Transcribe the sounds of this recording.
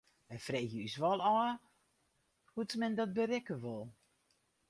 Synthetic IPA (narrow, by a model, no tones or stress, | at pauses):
ɛfrejhjəysʋɔlˠɔːə | hutmɛndɔt̚bərɛkəʋɔlˠ